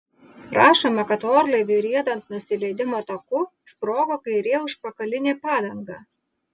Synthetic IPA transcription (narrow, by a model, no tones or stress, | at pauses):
ɾʔɑːʃoːmɐkɐt̪oːɾlˠɐɪʋʲeɾʲiɛd̪ɐnt̪nʊsʲɪlʲɛɪd̪ʲɪmoːt̪ɐkʊspɾoːɡoːkɐɪɾʲeːjɛʊʃpɐkɐlʲɪnʲeːpɑːd̪ɐŋɡɑː